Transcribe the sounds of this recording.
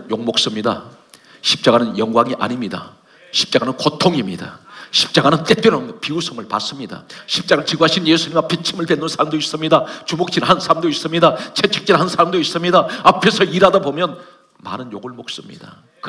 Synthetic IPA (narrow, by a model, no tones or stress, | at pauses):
joŋmok̚s͈ɯmɲida̰ | ɕʰi̥p̚t͡ɕ͈aɡanɯnjʌŋɡwaŋiʔa̰ɲimɲida̰ | ɕʰi̥p̚t͡ɕ͈aɡanɯnkotʰoŋimɲidaɕʰi̥p̚t͡ɕ͈aɡanɯnt͈ep͈jʌɾonpiusʰɯmɯɭpa̰s͈ɯmɲida̰ɕʰip̚t͡ɕ͈aɡat͡ɕiɡaɕʰinjesʰuɲimapʰet͡ɕʰimɯɭpenːɯnsʰaɭmdois͈ɯmɲidat͡ɕumok̚t͡ɕ͈inhansʰamdois͈ɯmɲidat͡ɕʰet͡ɕʰek̚t͡ɕ͈inhansʰaɭmdois͈ɯmɲidaapʰe̞sʰʌiɾadabomjʌn | ma̰nɯnjoɡɯɭmok̚s͈ɯmɲḭd̥a̰ | k